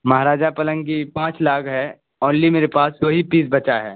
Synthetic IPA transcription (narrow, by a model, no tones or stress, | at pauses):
mɐɦaɾaːd͡ʒapɐlə̃ŋɡipãːt͡ʃlaːkɦɛ | ɔːnlimeːɾepaːskoɦipiːsbɐt͡ʃaɦɛ̰ː